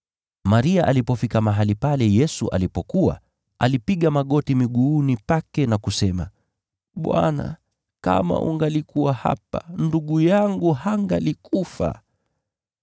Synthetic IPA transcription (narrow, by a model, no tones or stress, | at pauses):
maɾiaʔalipɔfikamaɦalipalɛjɛsuʔa̰lipɔkua̰ | ʔalipiɠamaɠɔtimiɠuːnipakɛnakusɛma̰ | ɓwa̰na̰ | ka̰ma̰ʔṵŋɡalikuwaha̰panduɠujaŋɡuhaŋɡalikufa̰